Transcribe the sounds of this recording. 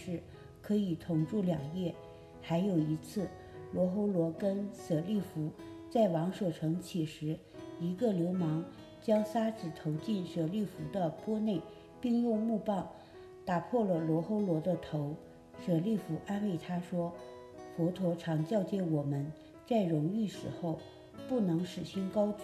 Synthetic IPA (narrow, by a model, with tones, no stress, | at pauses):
ʂɻ̩˥˩ | kʰɤ˧˥i˨˩t̪ʰʊ˨˩ŋʈ͡ʂu˥˩ljɑ˨˩ŋjɛ˥˩ | xa˧˥ɪjo˨˩ʊi˧˥t͡sʰɹ̩˥˩ | lwɔ˧˥xo˥ʊlwɔ˧˥kə˥nsɤ˨˩li˥˩fu˧˥t͡sa˥˩ɪwɑ˧˥ŋʂwɔ˨˩ʈ͡ʂʰɤ˧˥ŋt͡ɕʰi˨˩ʂɻ̩˧˥ | i˧˥ɡə˧ljo˧˥ʊmɑ˧˥ŋ | t͡ɕjɑ˥ŋsa˥t͡sɹ̩˨˩t̪ʰo˧˥ʊt͡ɕi˥˩nʂɤ˨˩li˥˩fu˧˥d̪ə˧pwɔ˥ne˥˩ɪ | pi˥˧ŋjʊ˥˧ŋmu˥˧pɑ˥˩ʊ | t̪a˨˩pʰwɔ˥˩lə˩lwɔ˧˥xo˥ʊlwɔ˧˥d̪ə˧t̪ʰo˧˥ʊ | sɤ˨˩li˥˩fu˧˥ʔa˥nwe˥˩ɪt̪ʰa˥ʂwɔ˥ | fwɔ˧˥t̪ʰwɔ˧˥ʈ͡ʂʰɑ˧˥ŋt͡ɕjɑ˥˧ʊt͡ɕjɛ˥˩wɔ˨˩mə˦n | t͡sa˥˩ɪɻʊ˧˥ŋy˥˩ʂɻ̩˧˥xo˥˩ʊ | pu˥˩nɤ˧˥ŋʂɻ̩˨˩ɕi˥nkɑ˥ʊt͡su˥˩